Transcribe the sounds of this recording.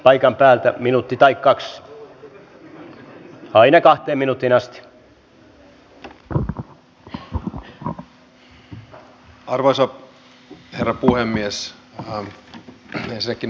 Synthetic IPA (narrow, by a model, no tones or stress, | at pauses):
pɑikɑmpæːlt̪æminut̪ːit̪ɑikkɑks | ɑinɑkɑht̪eːminut̪ːinɑst̪i̥ | ɑrʋoisɑ | herːɑpuhemːies | ensinːækːin